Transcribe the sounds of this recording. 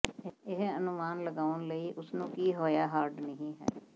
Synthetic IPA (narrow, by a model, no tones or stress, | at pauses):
ɪɦənʊmaːnləɡaːənləiːʔʊsnũːkiːɦoːjaːɦaːɾɖnəɦĩːɦɛ̰ː